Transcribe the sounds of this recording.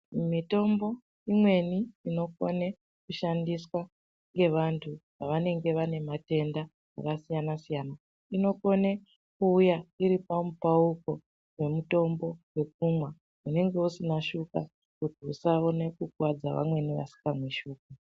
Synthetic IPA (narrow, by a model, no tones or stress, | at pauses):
mito̞mbo̞ | imwe̞niːno̞ko̰ne | kuʃandiswa | ŋɡe̞ʋantʰuʋaʋane̞ŋɡe̞ʋane̞mate̞nda | a̰kasijanasijaːna | ino̞ko̞ne | kuːjaiɾipamupauko̞ | we̞muto̞mbo̞we̞k̚umwa | une̞ŋɡe̞usinaʃuka | kutiusaone̞kukwad͡zaʋa̰mwe̞niʋa̰si̥kamweʃuːk̚u